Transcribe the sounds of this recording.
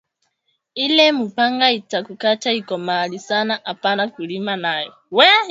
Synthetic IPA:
ilɛmupʰaŋɡaitʰakukʰatʰaikʼɔmalisanaʔapʼanakulimanaːjɔ | wɛ

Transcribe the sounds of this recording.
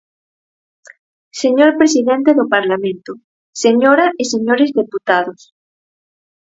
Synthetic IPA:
seɲoɾpɾesiðent̪eðopaɾlamẽnt̪o | seɲoɾaʔiseɲoɾezðeput̪aðos

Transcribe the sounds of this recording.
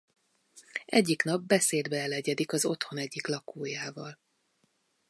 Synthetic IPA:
ʔɛɟːiknɒbːɛseːd̪bɛɛlɛɟɛd̪ikɒzo̞t̪ho̞nɛɟːiklɒkoːjaːvɒl

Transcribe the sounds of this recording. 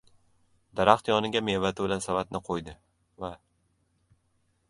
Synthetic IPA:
d̪aɾaχt̪jɒnɪɡʲame̞vat̪ʰɪbɪlansavat̪nɪqʰojd̪ɪ | va

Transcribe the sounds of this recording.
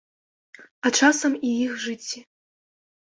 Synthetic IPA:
ɐt͡ʂasɐmijixʐɨt͡sʲːi

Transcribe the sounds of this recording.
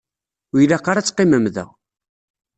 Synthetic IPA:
jlæqːɑɾat͡sːqːiməmðæ̰

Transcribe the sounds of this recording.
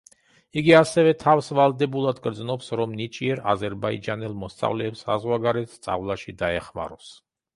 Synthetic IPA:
iɡiasɛvɛt̪ʰafsvalˠd̪ɛbulˠad̪ɡɾd̪znɔpsɾɔmnit͡ʃʼiɛɾa̰zɛɾbaid͡ʒanɛlˠmɔst̪sʼa̰vlɛːpsa̰zʁwaɡaɾɛt̪st̪sʼa̰vlˠaʃid̪aɛχma̰ɾɔs

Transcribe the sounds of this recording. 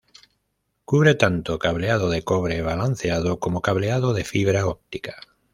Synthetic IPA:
kuβɾet̪ant̪okaβleað̞oðekoβɾeβ̞alan̟θeaðokomokaβleað̞oðefiβɾaop̚t̪i̥kḁ

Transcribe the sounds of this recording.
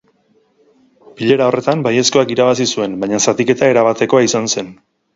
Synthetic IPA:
biʎe̞ɾao̞rʔe̞t̪ambaje̞sko̞akiɾaβasisue̞nbajɲasat̪ike̞t̪ae̞ɾaβat̪e̞ko̞aisanse̞n

